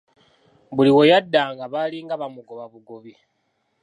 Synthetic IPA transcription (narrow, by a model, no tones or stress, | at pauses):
βuliwo̞jadːaːŋɡaβaliŋɡaβamuɡoβaβuɡoβi